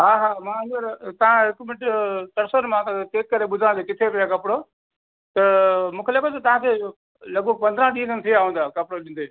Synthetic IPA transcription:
ɦaːɦaːmãːɐ̃nd̪əɾt̪ɐʋ̤ãɦɪkmɪʈt̪ɐɾsənmãt̪ãt̪eːkkɐɾeɓʊd̪ʱãnd̪ekɪt̪ʰepɪjakɐpɽo | t̪ɐmũːkʰelɐkət̪ɐt̪ɐʋ̤ãkʰe | lɐɡ̚bəɡ̚pɐ̃nd̪ɾãɗĩːə̃nənɪ̆t̪ʰiaːɦũːnd̪aːkɐpɽoɗĩːn̆d̪eː

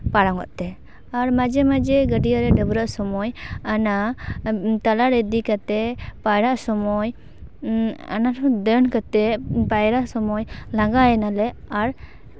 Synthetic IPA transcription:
paɽaŋɡɔ̰ʔt̪ɛ | aɾmad͡ʒɛmad͡ʒɛɡəɖijaɾɛɖəbuɾaʔsɔmɔjana | t̪alaɾed̪ikat̪ɛpajɾaʔsɔmɔj | a̰naɾd̪ənkat̪ɛpajɾaʔsɔmɔjlãɡaɛnalɛaɾ

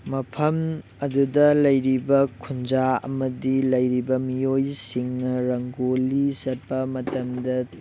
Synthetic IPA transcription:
mɐpʰɐm | ɐdudɐlɐjɾibɐkʰund͡ʒaɐ̰mɐdilɐjɾibɐmijojsiŋnɐɾɐŋɡolisɐt̚pɐmɐtɐmdɐ

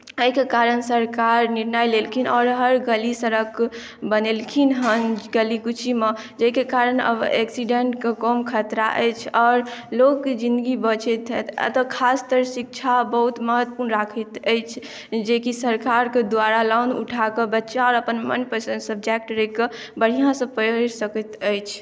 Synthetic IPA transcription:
əɦikekaɾənsəɾkaɾniɾnajlelkʰinɔːɾɦəɾɡəlisəɾəkʰ | bənelkʰinɦənɡəlikut͡ʃʰimə | d͡ʒəikekaɾənə̰b̰eksiɖeɳʈkekɔmkʰət̪ɾa̰ʔə̰t͡ʃʰɔːɾlokːed͡ʒind̪ɡibət͡ʃɛt̪t̪t̪ɔkʰast̪əɾsik̚t͡ʃʰabəɦut̪məɦət̪ːəpuɾnɾakʰət̪əjt͡ʃʰ | d͡ʒekisəɾkaɾked̪ʋaɾalanṵʈʰakəbətːʃaɔːɾəpənmənpəsənsəb̚d͡ʒek̚ʈɾəɦke | bəɽ̤ijãsə̃pəsəkət̪əjt͡ʃʰ

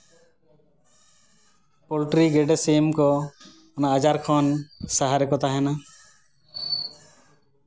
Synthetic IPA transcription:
pɔlʈɾiɡɛɖɛsemkɔ | ɔnaːd͡ʒaɾkʰɔnsaɦaɾɛkɔt̪aɦɛna

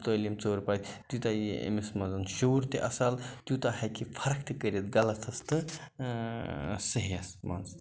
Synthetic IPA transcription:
t̪əlimt͡soːɾpat̪ʲt̪ut̪ajiḛmismɐzɐnʃoɾt̪eʔɐsalt̪ut̪ɐhɐjkipʰɐɾkʰt̪ikəɾet̪ɡɐlɐt̪ʰɐst̪ɨ | sɐɦiɐsma̰ns

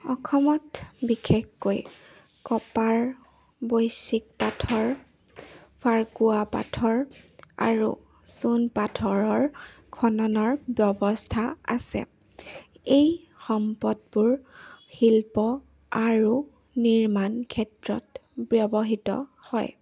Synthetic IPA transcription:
ɔkʰɔmɔtbikʰekːoj | kɔpaɹ | bojsik̚patʰɔɹ | pʰaɹkuapa̰tʰɔɹa̰ɹṵ | sunpatʰɔɹɔɹ | kʰɔnɔnɔɹbjɔbɔstʰaa̰sɛ̰ | ej | xɔmpɔdbʊɹxilpɔ | aɹu | niɹmankʰɛtɹɔ̰tbjɔbɔɦitɔ̰ | hɔ̰j

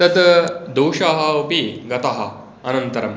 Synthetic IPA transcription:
t̪ɐd̪d̪oːʂaɦɐupiɡɐt̪ɐɦɐ | ɐnɐnt̪ɐɾɐm

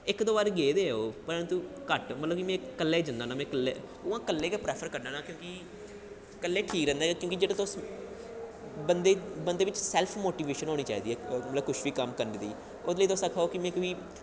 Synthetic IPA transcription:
ɪkd̪oːbaːɾɡeːd̪eːoːpəɾt̪ũːkəʈmət̪ləbkimɛ̃ːkəlːeːd͡ʒənd̪aːnãːmɛ̃ːkəlːeː | ʊãːkəlːeːkeːpɾɛːpʰəɾkəɾnãːnãːkjõːki | kəlːeːʈʰiːkɾɛ̃ːnd̪aːkjõːkid͡ʒeːɽãt̪ːs | bənd̪eːbənd̪eːʋɪt͡ʃsɛːlpʰmoːʈiːʋeːʃənɦoːniːt͡ʃaːḭːd̪iːɛːmət̪ləbkʊʃbiːkəmkəɾnːd̪ḭː | ʊd̪ləiːoːsakʰaːoːkɪmɛ̃ːkʋiː

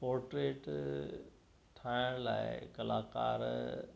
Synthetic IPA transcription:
poːɾʈɾeːʈ | ʈʰaːɪɽ̃la̰ːɪkɐlaːka̰ːɾ

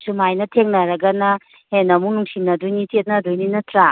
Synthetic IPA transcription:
sumajnɐtʰeŋnɐɾɐɡɐnɐ | henɐmunuŋsinːɐdujnitet̚nɐdujninɐtɾa

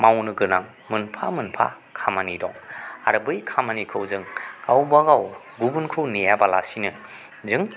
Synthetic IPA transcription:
mawnɯɡɯnaŋ | mɯnpʰamɯnpʰa̰ | kʰamanidɔŋa̰ɾbɯjkʰamanikʰɯwzɯŋkʰawbaɡaw | ɡubunkʰɯwnijabala̰sinɯ | zɯŋ

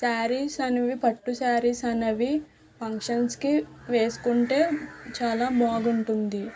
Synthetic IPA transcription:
saːɾisɐnɐʋipɐʈːusaːɾisɐnɐʋi | pʰɐŋkʂɐnskiʋe̞ːsu̥kuɳʈe̞ːt͡ʃaːlaːmoːɡuɳʈund̪i

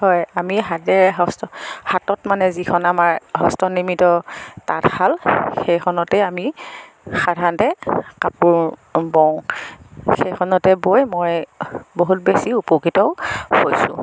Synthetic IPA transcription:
hɔjamiɦadɛɹɦɔstɔhatɔtmanɛzikʰɔnamaɹɦɔstɔnimitɔta̰thalxejkʰɔnɔtɛami | xadʱantɛkapuɹbɔw̃ | xejkʰɔnɔtɛbojmojboɦut̚besiupokitɔʊhojsʊ̰̃

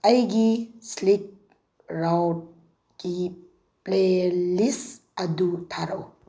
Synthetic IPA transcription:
ajɡislik̚ | ɾawʈ̚ | ki | plelis | ɐd̪ut̪ʰaɾo

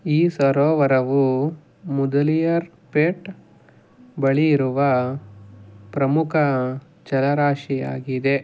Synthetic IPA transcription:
iːsʋɐɾoːʋɐɾɐʋu | mud̪ɐlijɐɾ | peʈ | bɐɭijiɾuʋɐ | pɾɐmukʰɐ | t͡ʃɐlɐɾaːʂija̰ːɡid̪e̞

